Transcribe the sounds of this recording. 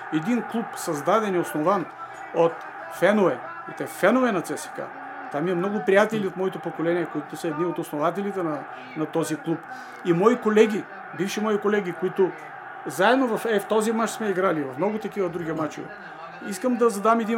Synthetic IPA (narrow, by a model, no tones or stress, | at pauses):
ɛd̪inklˠupsɐzd̪ad̪ɛniosnovan | ot̪ | fɛnoɛ | it̪ɛfɛnoɛnɐt̪sɛsɛ̥ka̰ | t̪amiɐmnɔɡʊpɾijat̪ɛliot̪mɔit̪opokolɛniɛkoit̪ʊsɐɛd̪niot̪osnovat̪̬ɛlit̪ɛnɐ | nɐt̪ɔziklˠup | imɔikolɛɡʲi | bifʃimɔikolɛɡ̟ʲikoit̪ʊ | zaɛd̪novɐfɛft̪ɔzimat͡ʃsmɛiɡɾalivɐfmnɔɡʊt̪ɐkivɐd̪ɾuɡʲiɛmat͡ʃḭvɛ̰ | iskəmd̪ɐzɐd̪amɛd̪i